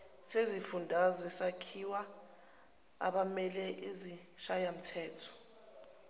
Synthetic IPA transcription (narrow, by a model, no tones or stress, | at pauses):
sezifundʱazɔɛsakʰiwa | a̰ɓamɛlɛʔiziʃajam̩tʰɛːtʰɔ̥